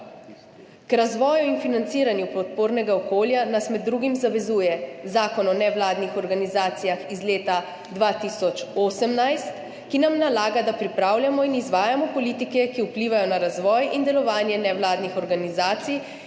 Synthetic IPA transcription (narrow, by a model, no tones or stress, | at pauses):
kɾazʋɔːjuinfinant̪siːɾanjupɔt̪̚poːɾnɛɡaɔkoːljanasmɛd̪ːɾuːɡimzaʋɛzuːjɛzaːkɔnɔnɛʋlaːd̪nixɔɾɡanizaːt̪sijaxizleːt̪a | d̪ʋaːt̪isɔt͡ʃoːsɛmnajst̪ | kinamnalaːɡad̪apɾipɾaːwljamɔinizʋaːjamɔpɔlit̪ikɛkiupliːʋajɔnaɾazʋɔːjind̪ɛlɔʋaːnjɛnɛʋlaːd̪nixɔɾɡanizaːt̪sij